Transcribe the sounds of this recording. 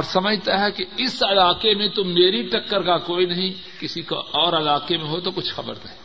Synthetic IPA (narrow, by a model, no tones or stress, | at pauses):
ɔːɾsɐməd͡ʒʱt̪aɦɛkeɪsɐlaːkemẽt̪ʊmːeːɾiʈɐkːəɾkakoːinɐɦĩ | kɪsika̰ɔːɾɐlaːkemẽɦot̪okʊt͡ʃʰxɐbə̰ɾnɐɦĩ